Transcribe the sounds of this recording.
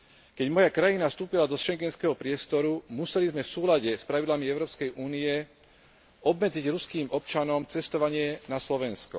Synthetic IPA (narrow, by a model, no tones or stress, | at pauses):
kɛɟmɔjakɾajinafst̪uːpilad̪ɔʃɛŋɡɛnskɛɦɔpɾɪɛst̪ɔɾumusɛlizmɛfsuːlaɟɛspɾaʋid̪lamiɛʊɾɔːpskɛjʔuːniɛ | ɔbmɛd͡ziɟɾuskiːmɔpt͡ʃanɔmt͡sɛst̪ɔʋaɲɪɛnaslɔʋɛnskɔ̰